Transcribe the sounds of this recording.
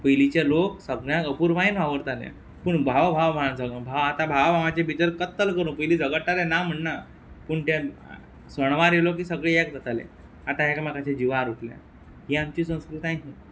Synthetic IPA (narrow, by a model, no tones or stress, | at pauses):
pəjlit͡ɕeloksəɡɳjãkəpuɾʋainʋaʋəɾt̪anɛ̰ | pəɳbʱaʋabʱaʋabʱaʋand͡zəɡãbʱaʋat̪abʱaʋabʱaʋat͡ɕebit̪əɾkət̪ːəlkəɾũnpəjliːd͡zəɡəʈːalenam̤əɳna | pəɳt̪a | səɽ̃ʋaɾelok̬isəɡɭeɛkd̪ət̪alḛ̃ | at̪ãɦɛkmakaɕed͡ʑiʋaɾuʈljã̰ | ɦiamt͡ɕiːsə̃w̃skɾit̪ajɦi